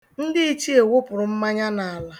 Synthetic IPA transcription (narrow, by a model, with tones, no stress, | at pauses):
n̩˦dɪ˦i˦t͡ʃi˦e˨wʊ˦pʊ˨ɾʊ˨m̩˦ma˦ɲa˦na˨a˨la˦